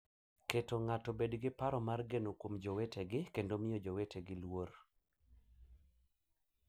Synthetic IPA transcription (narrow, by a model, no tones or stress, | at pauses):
ketoŋatɔbedɡɪpaɾɔmarɡenokwomd͡ʒoweteɡɪkendomɪjɔd͡ʒowetʰeɡɪlwoɾ